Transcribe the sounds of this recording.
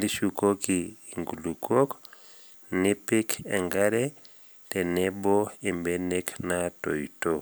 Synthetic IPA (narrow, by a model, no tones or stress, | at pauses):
diʃukokiːŋɡulukok | nipikʰɛŋɡaɾɛ | tɛnɛbɔembɛneknato̰jto